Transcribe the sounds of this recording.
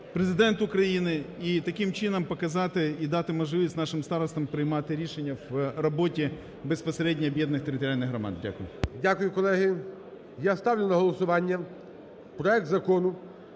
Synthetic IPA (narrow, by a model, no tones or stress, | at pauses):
pɾezɪd̪ɛnt̪ʊkɾɐjinɪit̪ɐkʲimt͡ʃɪnɐmpɐkɐzɑt̪ɪid̪ɑt̪ɪmɐʒlɪʋʲisʲtʲnɑʃɪmst̪ɑɾɔst̪ɐmpɾɪjmɑt̪ɪɾʲiʃenʲːɐʋrɐbotʲi | bespɐsɾʲɛdʲnʲiɐbʲjɛd̪nɪxt̪eɾʲɪt̪ɔɾʲalʲnɪxɦrɐma̰d̪dʲa̰kʊjʊ̰dʲakʊjʊkɔlˠɛɦɪ | jast̪ɑwlʲʊnɐɦɔlˠɔsʊʋɑnʲːɐ | pɾɔɛk̚t̪zɐkɔnʊ